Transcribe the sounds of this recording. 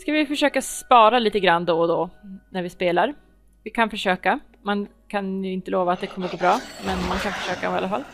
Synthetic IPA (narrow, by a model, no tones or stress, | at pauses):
skavɪfœʂøːkaspɑːɾaliːt̪əɡɾand̪ɔd̪ɔnæɾvɪspeːlaɾ | vɪkʰanfœʂøːka | man | kʰanjɵɪnt̪əloːvaːt̪̚d̪ɛkʰɔmːəɾɡoːbɾɑːmɛnmankʰanfœʂøːkaɔma̰lːafalː